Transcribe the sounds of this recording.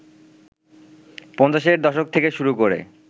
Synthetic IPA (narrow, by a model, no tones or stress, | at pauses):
pɔnt͡ɕaʃeɾd̪ɔʃok̚t̪ʰekeʃuɾukoɾḛ